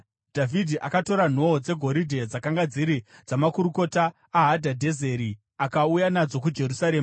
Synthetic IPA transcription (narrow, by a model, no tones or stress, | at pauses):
d̥ʱavʱidʱiʔakato̞ɾan̤o̞d͡ze̞ɡʱo̞ɾidʱe̞d͡zakaŋɡad͡ziɾid͡zamakuɾuko̞taː | ɦadʱadʱe̞ze̞ɾi | akaujanad͡zo̞k̬ud͡ʒe̞rusaɾe̞ːmaa